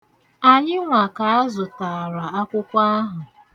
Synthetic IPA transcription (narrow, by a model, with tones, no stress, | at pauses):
a˨ɲɪ˦ŋʷa˨ka˨a˦zʊ˨ta˨ɾa˨a˦kʷʊ˦kʷa˦a˦ɦʊ˨